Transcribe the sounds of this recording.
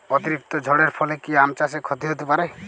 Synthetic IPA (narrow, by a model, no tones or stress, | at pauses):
ɔt̪iɾik̚t̪ɔd͡ʒʱɔɽeɾpʰɔlekiamt͡ʃasekʰɔd̪ʱiɦot̪epaɾe